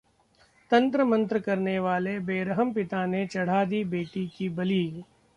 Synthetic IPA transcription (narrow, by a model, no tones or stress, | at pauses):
t̪ɐ̃nt̪ɾəmɐ̃nt̪ɾəkɐɾneʋaːlebeːɾəɦəmpɪt̪anet͡ʃɐɽ̤aːd̪ibeːʈikibɐliː